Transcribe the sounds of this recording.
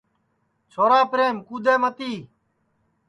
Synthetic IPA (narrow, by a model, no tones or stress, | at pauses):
t͡ʃʰoːɾaːpɾeːmkuːd̪eːmət̪iː